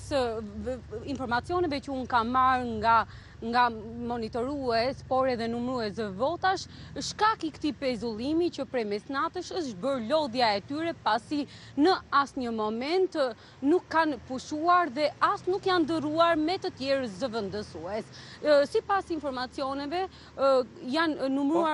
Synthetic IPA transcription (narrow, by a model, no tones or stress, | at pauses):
s | infɔɾmat͡sjɔnɛvɛt͡ʃəunkanmaɾŋɡa | ŋɡamɔnit̪ɔɾuɛspɔɾɛðɛnumɾuɛsɛvɔt̪aʃʃkakikt̪ipɛzulˠimit͡ɕəpɾɛmɛsnat̪əʃəʃbəɾlɔðjaɛt̪yɾɛpasi | nəasɲəmɔmɛnt̪ | nukːanpuʃuaɾðɛast̪nukjand̪əruaɾmɛt̪ət̪jɛɾzəvənd̪əsuɛssipasinfɔɾmat͡siɔnɛvɛ | janːumɾua